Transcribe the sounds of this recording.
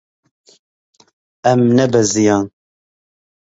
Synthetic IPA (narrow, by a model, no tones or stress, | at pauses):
ɛmnɛbɛzijɑːn